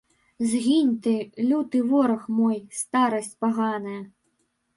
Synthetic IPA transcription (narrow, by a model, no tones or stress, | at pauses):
zɣʲinʲt̪ɨlʲut̪ɨvɔɾɐxmɔjst̪aɾɐsʲt͡sʲpaɣanɨjɐ